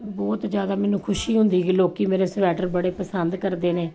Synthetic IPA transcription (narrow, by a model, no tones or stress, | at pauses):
bɔːt̪d͡ʒjaːd̪aːmɛːnũːkʰʊʃiːɦʊnd̪iːɡiːloːkiːmeːɾeːsʋɛːʈəɾbəɽeːpəsənd̪kəɾd̪eːnẽː